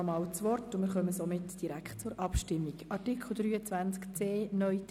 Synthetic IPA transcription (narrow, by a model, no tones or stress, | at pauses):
mɑːlt͡sʋɔrtʊmɪːɾχœməsɔmɪtd̥iɾæktt͡sʊɾʔɑpʃtɪmːiɡɑrtɪkʰl̩d̪ɾyːət͡svænt͡skt͡seːnœʏt